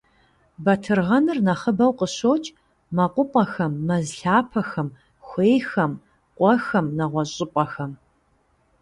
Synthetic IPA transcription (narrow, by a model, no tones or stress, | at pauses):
bɐtʰɨrʁɐnɨrnɐχəbɐwqəɕoːt͡ʃʼ | mɐqʷʊpʼɐxɐmːɐzɬaːpʰɐxɐm | xʷeːjxɐm | qʷʼɔxɐmnɐʁʷɔɕʼɪpʷʼɐxɐm